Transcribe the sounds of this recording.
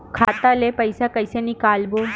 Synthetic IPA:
kʰaːt̪alepəjsakəjsenikaːlbo

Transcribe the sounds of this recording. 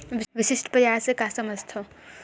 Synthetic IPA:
ʋiʋisisʈpəjaɾsekasəməst̪ʰo

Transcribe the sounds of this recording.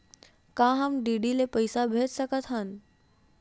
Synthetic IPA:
kãɦamɖiɖilepəjsabʱeʈsəkət̪ɦan

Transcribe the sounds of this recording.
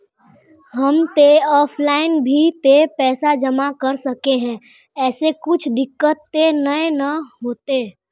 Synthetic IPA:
ɦɐmt̪eɔːpʰlaːɪnbʱit̪epɛːsad͡ʒɐmakɐɾsɐkeɦɛ̃ː | ɛːsekʊt͡ʃʰd̪ɪkːət̪ːenəenɐɦoːt̪eː

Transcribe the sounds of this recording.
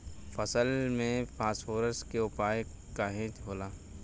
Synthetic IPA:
fəsəlmẽpʰaːsfoːɾəskeʊpaːe | kaːɦẽːt͡ʃɦoːlaː

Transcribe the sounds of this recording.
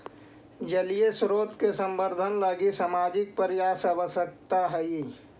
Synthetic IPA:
d͡ʒəliesɾoːt̪kesə̃mbəɾd̪ʱənləɡisaːmad͡ʒɪk̚pəɾɪjaːsəbəsək̚t̪aɦɛi

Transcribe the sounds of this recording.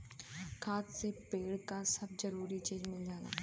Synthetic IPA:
kʰaːt̪sepeːɽkasɐb̚zɐɾuːɾit͡ʃeːd͡ʒmẽd͡ʒaːla̰ː

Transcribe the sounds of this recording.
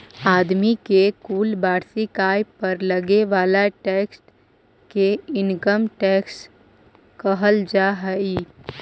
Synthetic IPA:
aːd̪mikekuːlbaːɾsikaːɪpəɾləɡeʋaːlaʈeːksʈ | keɪnkəmʈeːksʈ | kəɦəld͡ʒaːɦəiː

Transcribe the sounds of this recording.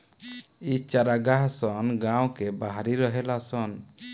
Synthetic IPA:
it͡ʃaɾaɡaɦsɔnɡaw̃kɛbaɦaɾiɾɔɦɛlasɔn

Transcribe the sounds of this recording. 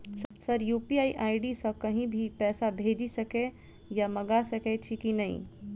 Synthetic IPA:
ssəɾjuːpiaːiʔaːiɖisə̃kəɦĩbʱipɛːsabʱeːd͡ʒisəke | jamɐɡasəkɛt͡ʃʰikinɐɦḭ̃

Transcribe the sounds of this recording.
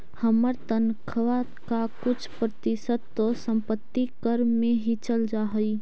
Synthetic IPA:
həməɾt̪ənkʰʋa | kakʊt͡ʃʰpɾət̪ɪsədt̪ːosə̃mpət̪ːikəɾmẽɦit͡ʃəld͡ʒaɦəi

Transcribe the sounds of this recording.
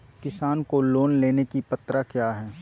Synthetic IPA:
kɪsaːnkoloːnleːnekipɐt̪ɾakjaːɦɛː

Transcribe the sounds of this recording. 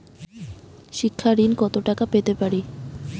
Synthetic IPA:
ʃikʰːaɾinkɔt̪oʈakapet̪epaɾi

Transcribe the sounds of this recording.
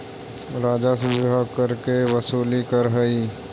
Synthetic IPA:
ɾaːd͡ʒasɪakəɾkeʋɐsuːlikəɾɦəi

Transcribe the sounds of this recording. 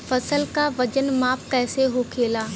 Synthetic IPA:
fɐsəlkaʋɐd͡ʒənmaːpkɛːseɦokʰeːlaː

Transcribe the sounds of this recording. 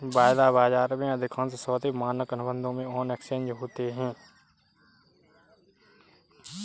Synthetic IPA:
baːjd̪aːbaːd͡ʒaːɾmẽɐd̪ʱɪkʰə̃nsesɔːt̪emaːnəkənʊbə̃nd̪ʱõmẽɔːneksẽːɲd͡ʒɦoːt̪eɦɛ̃ː

